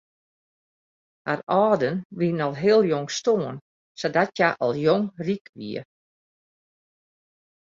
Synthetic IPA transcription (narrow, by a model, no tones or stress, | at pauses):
harɔːdənʋinɔlˠɦeəlˠjoŋstoən | sɔdatjaʔɔ̰lˠjoŋrikʋḭə